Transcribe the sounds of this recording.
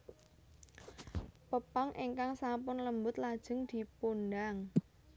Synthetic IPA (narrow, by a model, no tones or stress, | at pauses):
pəpaŋʔeŋkaŋsampʊnləmbʊt̪̚lad̥ʒ̥ə̤ŋd̪̥i̤pund̪aŋ